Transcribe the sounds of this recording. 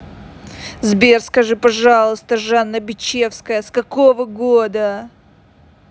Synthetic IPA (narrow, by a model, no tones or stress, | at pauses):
zbʲerskɐʐɨpɐʐalˠəst̪əʐanːəbʲɪt͡ɕːe̞fskəjəskɐkovəɡod̪ə